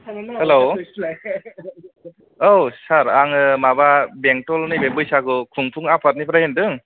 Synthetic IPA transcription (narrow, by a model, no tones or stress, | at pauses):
helo | owsaɾaŋɯmababeŋk̚tɔlnɯbembɯjsakɯkʰuŋpʰuŋapʰat̚nipʰɾahindɯŋ